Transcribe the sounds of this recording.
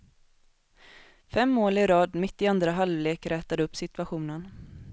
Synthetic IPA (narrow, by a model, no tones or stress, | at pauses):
fɛmːoːlɪɾɑːd̪mɪt̪ːɪand̪ɾaɦalvleːkɾɛːt̪ad̪əɵpːsɪt̪vaɧuːnən